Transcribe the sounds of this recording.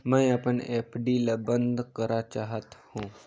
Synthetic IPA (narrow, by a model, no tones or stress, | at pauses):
mə̃ĩəpəneːpʰɖilabənd̪kəɾat͡ʃaːɦət̪hũː